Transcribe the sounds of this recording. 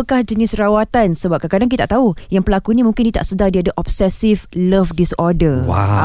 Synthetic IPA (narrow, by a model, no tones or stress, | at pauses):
əkahd͡ʒənɪsrawat̪ansəbap̚kakadaŋk̬it̪aʔt̪aujaŋpəlakunĩmũŋkɪndit̪a̰ʔsədardiadaʔɔpsɛsifləfdisɔdərwa̰